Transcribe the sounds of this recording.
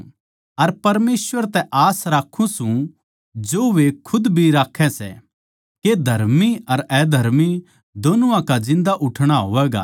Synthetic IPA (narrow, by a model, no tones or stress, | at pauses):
ɐɾpɐɾmeːsʋəɾt̪ɛʔaːsɾaːkʰːũsũ | d͡ʒoːʋekʰʊd̪bʱiɾaːkʰːɛ̃sɛ̰ | ked̪ʱɐɾmiɐɾɛːd̪ʱɐɾmi | d̪oːnuãkad͡ʒɪ̃nd̪aʔʊʈʰɽ̃aɦoːʋɛːɡa̰